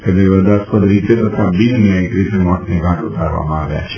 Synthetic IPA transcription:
ked̪eʋəd̪aspəd̪ɾit̪et̪ət̪ʰabid͡ʒnjãekɾit̪emɔʈneɡʱãʈut̪aɾʋa̰mãaʋja̰t͡ʃʰe

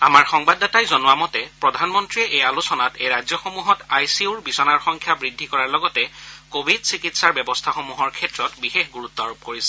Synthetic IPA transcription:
amaɹxɔŋbadatajzɔnʊwamɔtɛpɹɔdʱanmɔntɹiɛʔejalusɔnatejɹazjɔxomuɦɔtajsiuɹbisɔnaɹxɔŋkʰjabɹidʱːikɔɹaɹlɔɡɔtɛkobʱidsikitsaɹbɛbɔstʰaxomuɦɔɹkʰɛtɹɔtbixexɡuɹutːɔaɹub̚koɹisɛ̥

